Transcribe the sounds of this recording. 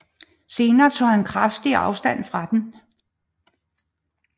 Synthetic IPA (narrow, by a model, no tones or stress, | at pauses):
se̝ːnɐːt͡sʰo̝̰ːhænkʰʁafd̥iɑ̈ʊsd̥æn̰fʁɑ̈d̥en